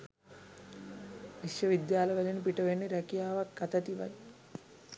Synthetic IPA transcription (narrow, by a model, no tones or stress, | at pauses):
ʋiʃjɐʋid̪jaːlɐʋɐlinpiʈɐʋenːiɾɐkijaːʋɐkːɐt̪ɐt̪iʋɐ̰d